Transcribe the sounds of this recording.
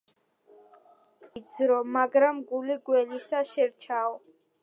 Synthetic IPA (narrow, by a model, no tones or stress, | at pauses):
id̪zɾɔmaɡɾamɡuliɡwɛlisaʃɛɾt͡ʃʰaɔ